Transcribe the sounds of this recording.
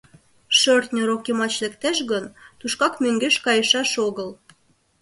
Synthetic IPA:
ʃørt̪nʲoɾokemɑt͡ɕlĕkt̪æʃɣənt̪uʃkɑkmøŋɡeʃkɑjəʃɑʃoɣəl

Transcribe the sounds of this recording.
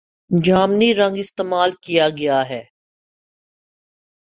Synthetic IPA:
d͡ʒaːmniɾɐ̃ŋɡɪst̪eːmaːlkijaɡɐjaɦɛː

